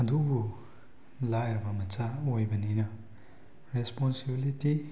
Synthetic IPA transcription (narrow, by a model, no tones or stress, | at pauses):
ɐd̪uɡu | lajɾbamɐt͡ʃaojbɐninʌ | ɾesponsibiliti